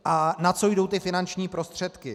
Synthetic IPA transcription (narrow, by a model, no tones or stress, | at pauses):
ʔanat͡so̞jdo̞wt̪ɪfɪnant͡ʃɲiːpɾo̞st̪r̝̥ɛt̪kɪ